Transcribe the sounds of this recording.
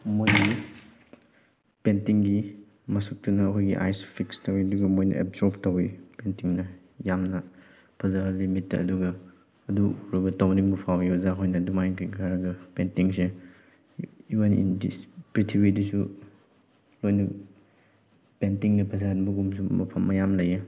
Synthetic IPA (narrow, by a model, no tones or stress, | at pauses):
mojni | pentiŋɡi | mɐsuk̚tunɐːkʰojɡḭʔa̰jspʰikstɐwiɐduɡɐmojnɐ̰ʔḛp̚zɔptɐwipentiŋnɐ | jamnɐ | pʰɐzaɐlimitːɐ̰ɐ̰duɡɐː | duɾobɐtɐwniŋbɐpʰawiozaɦʰojnɐdumajnkɐjɡʰaɾɐɡɐpentiŋse | iwenḭndispɾitʰibidusu | lojnɐ | pentiŋnɐpʰɐs̬anbɐɡumsumɐpʰɐmːɐjamlɐjɐ